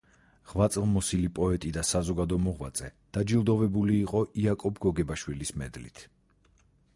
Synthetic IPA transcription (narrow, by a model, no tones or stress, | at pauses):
ʁ̥vat̪sʼlˠmɔsilipʼɔɛt̪ʼid̪asazɔɡad̪ɔmɔʁva̰t̪sʼɛd̪̥ad͡ʒilˠd̪ɔvɛbuliːqʼɔʔiakʼɔbɡɔɡɛbaʃwilismɛ̰d̪lḭt̪ʰ